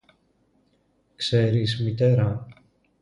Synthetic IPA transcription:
kse̞ɾismit̪e̞ɾɐ

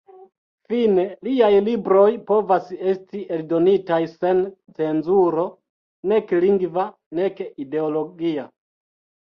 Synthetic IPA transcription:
fine̞liajlibɾo̞jpo̞vase̞stiʔeldo̞nitajse̞nt͡se̞nzuɾo̞ | ne̞kliŋɡva | ne̞kide̞olo̞ɡia

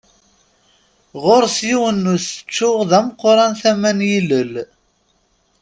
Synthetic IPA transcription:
ʁoɾsjiwənːusə̥t͡ʃːʊʁðæmqːɾˤɑnθæmænjiləl

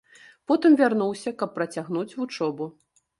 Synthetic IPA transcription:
pɔt̪ɨmvʲarnuwsʲɐkɐpːɾɐt͡sʲaɣnut͡sʲvut͡ʂɔbu

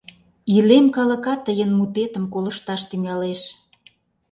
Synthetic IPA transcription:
ilemkɑlə̆kɑt̪ːəjənmut̪et̪əmkolə̆ʃt̪ɑʃt̪yŋɑleʃ

